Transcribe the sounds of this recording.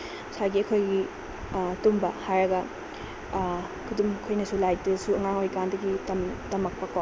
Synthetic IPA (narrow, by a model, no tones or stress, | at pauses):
saɡiɐkʰojɡi | tumbɐhajɾɐɡɐ | kʰudumkʰojnɐsulajdesuɐŋaŋojkandɐɡitɐmtɐmɐk̚pɐka